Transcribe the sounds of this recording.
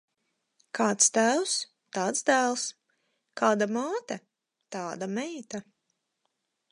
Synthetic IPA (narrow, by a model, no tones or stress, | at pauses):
kʰaːt̪st̪æws | t̪aːt̪sd̪æːlˠs | kʰaːd̪amaːt̪ɐ | t̪aːd̪amɛjt̪a